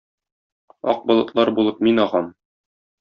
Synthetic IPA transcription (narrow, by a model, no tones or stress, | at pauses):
ɒ̰q̚bɒlˠɤ̆t̪lˠɑɾbulˠɤp̚minɒʁɑm